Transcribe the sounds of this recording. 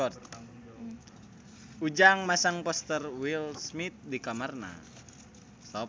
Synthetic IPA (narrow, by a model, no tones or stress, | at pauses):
ɔt̪̚ | ud͡ʒaŋmasaŋpɔst̪ərwilsmit̪̚dikamarna̰ | sɔ